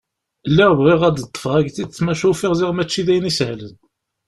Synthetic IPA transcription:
əlːæʁvʁiʁæd̪t̪ˤːə̥fʁæɡt̪id̪t͡sːmæʃufiʁzɪʁmæt͡ʃːiðæjnishlən

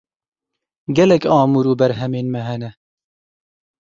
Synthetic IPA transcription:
ɡɛlɛkɑːmuːɾuːbɛɾɦɛmeːnmɛɦɛnɛ

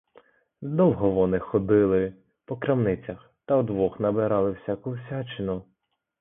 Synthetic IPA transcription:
d̪ɔwɦɔʋɔnɪxɔd̪ɪlˠɪ | pɔkɾɐmnɪt͡sʲɐx | t̪ɐwd̪ʋɔxnɐbɪɾɑlˠɪwsʲakʊwsʲat͡ʃɪnʊ

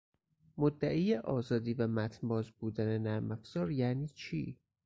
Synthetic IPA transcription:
mod̪ːæʔiːjeʔɒːzɒːd̪iːvæmæt̪ʰnbɒːzbuːd̪æne̞næɾmæfz̥ɒːɾjæniːt͡ʃʰiː

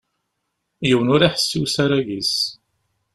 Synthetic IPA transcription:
jiwənʊɾaħə̥sːiwsaɾæʝis

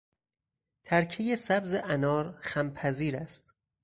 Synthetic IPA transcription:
t̪ʰæɾcʰejesæbzeʔænɒːɾxæmpʰæziːɾæst̪

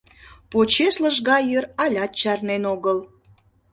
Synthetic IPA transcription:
pot͡ɕeʃləʒɣɑjøɾɑlʲɑt̪̚t͡ɕɑrnenoɣəl

